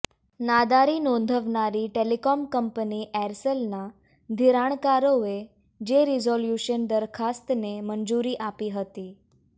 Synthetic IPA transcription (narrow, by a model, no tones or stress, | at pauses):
nad̪aɾiːnond̪ʱəʋɳaɾiːʈelikɔmkəmpəniːʔɛɾsəlna | d̪ʱiɾaɳ̃kaɾoe | d͡ʑeɾizɔljuɕənd̪əɾkʰast̪nemənd͡zuɾiːʔapiːɦət̪iː